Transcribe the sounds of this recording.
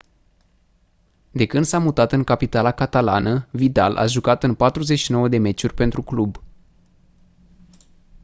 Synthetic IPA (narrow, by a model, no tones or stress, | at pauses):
d̪e̞kɨnd̪samut̪at̪ɨŋkapit̪alakat̪ala̰nəvid̪a̰lʔa̰ʒukat̪ɨnpat̪ɾuzet͡ʃʃino̞wəd̪e̞me̞t͡ʃurʲpe̞nt̪ɾuklub